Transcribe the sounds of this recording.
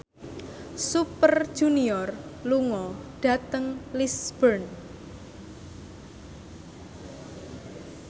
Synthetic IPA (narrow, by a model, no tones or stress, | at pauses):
supər̥ʒ̥uniɔrluŋɔɖ̥ä̤t̪əŋlisb̥ərn